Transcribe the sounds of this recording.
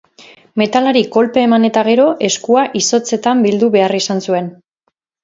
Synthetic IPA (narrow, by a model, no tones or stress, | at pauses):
me̞t̪alaɾiko̞lpe̞ːmane̞t̪aɣ̞e̞ɾo̞ʔe̞skuaʔiso̞t͡se̞t̪ambild̪uβe̞arisansue̞n